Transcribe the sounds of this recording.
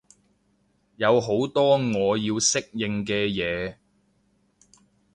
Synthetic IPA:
jɐ˨˧wɦo˨˥wt̪ɔː˥ŋɔː˨˧jiː˧wsɪ˥k̚jɪ˨ŋkɛː˧jɛː˨˧

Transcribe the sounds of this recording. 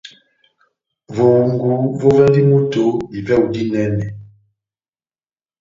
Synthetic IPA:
vo˨ŋɡu˨˦vo˦vɛ˦ndi˦mu˦to˨˦i˨vɛ˦˨u˨di˦nɛ˦nɛ˨

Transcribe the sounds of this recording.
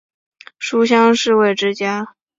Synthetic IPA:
ʂu˥ɕ̬jɑ˥ŋʂɻ̩˥˧we˥˩ɪʈ͡ʂɻ̩˥t͡ɕja˥

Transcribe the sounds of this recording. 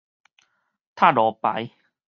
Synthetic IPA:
t̪ʰaː˥˩˨lɔː˨˦pa̰˧˦j

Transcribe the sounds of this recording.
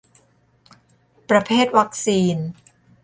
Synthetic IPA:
pɾa˧pʰeː˥˩t̪̚wa˦˥k̚siː˧n

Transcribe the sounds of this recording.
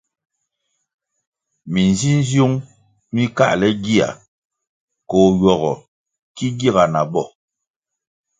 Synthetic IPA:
mi˨n˨zi˦n˦zju˦ŋ | mi˦ka̰˦ʔlɛ˦ɡi˦a̰˨ | ko˨jɔ˨ɣɔ˨ | ki˦ɡi˦˨ɣa˨na˨bɔ˦˨

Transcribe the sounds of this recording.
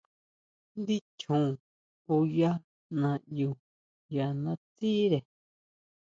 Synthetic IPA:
nd̪i˦t͡ʃʰũ˨ | o˧ja˦ | nã˧ju˧˨ | ja˨nã˧˦t͡s̪i˦ɾe˨

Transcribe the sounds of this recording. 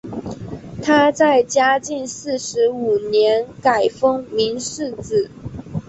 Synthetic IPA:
t̪ʰa˥t͡sa˥˩ɪt͡ɕja˥t͡ɕi˥˧nsɹ̩˥˩ʂɻ̩˧˥u˨˩njɛ˧˥nka˨˩ɪfɤ˥ŋmi˧˥nʂɻ̩˥˩t͡sɹ̩˨˩

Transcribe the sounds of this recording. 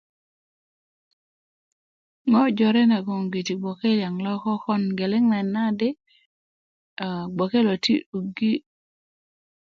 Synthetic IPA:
ŋɔ˦d͡ʒɔ˨ɾɛ˦na˨ɡɔ˨ŋɡi˨ti˨ɡ͡bɔ˨ke˦lja˨ŋlɔ˦kɔ˦kɔ˦nɡe˨lɪ˦ŋna˨na˦dɪ˦˨ | ɡ͡bɔ˨ke˦lo˨tḭ˦u˨ɡi˦

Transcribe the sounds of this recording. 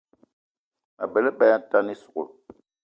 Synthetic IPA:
a˨bɛ˨lɛ˦ba˦ja˦ta˦ni˦su̥˨ko̰˨

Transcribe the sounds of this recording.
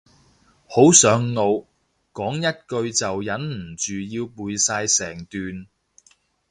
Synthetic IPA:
ho˨˥wsœː˨˥ŋːo˨˧w | kɔː˨˥ŋjɐ˥t̚kɵ˧ɥt͡sɐ˨wjɐ˨˥nm̩˨˩t͡ʃyː˨jiː˧wpuː˨˧jsaː˧jsɛː˨˩ŋt̪yː˨n

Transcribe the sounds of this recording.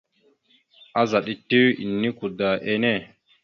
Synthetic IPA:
a˦za˨ɗi˦tːi˦wḭ˨nːi˦ku˨da˨ʔe˦ne˦˨

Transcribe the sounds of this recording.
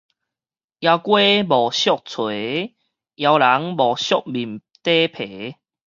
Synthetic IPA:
ja˧wkwe˦bɔ˨˩ɕjɔ˦˨k̚t͡sʰwe˨˦ | ja˧wla˨˦ŋbɔ˨˩ɕjɔ˦˨k̚bi˨˩mt̪e˦pʰe˨˦

